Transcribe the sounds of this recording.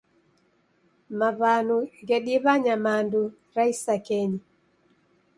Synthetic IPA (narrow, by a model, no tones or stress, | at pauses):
maβanuɡɛɗiβaɲamandu | ɾaisakeɲi